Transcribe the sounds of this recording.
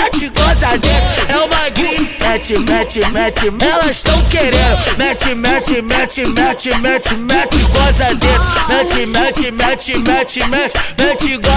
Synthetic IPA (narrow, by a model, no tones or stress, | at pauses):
ɛt͡ʃiɡozad̪ẽtɛũmɐɡimɛt͡ʃimɛt͡ʃimɛt͡ʃimɛlɐiʃt̪ɐ̃w̃keɾẽd̪ʊʊmɛt͡ʃɪmɛt͡ʃɪmɛt͡ʃimɛt͡ʃimɛt͡ʃɪmɛt͡ʃɪɡozad̪et̪mɛt͡ʃɪmɛt͡ʃimɛt͡ʃɪmɛt͡ʃɪmɛt͡ʃɪmɛt͡ʃiɡo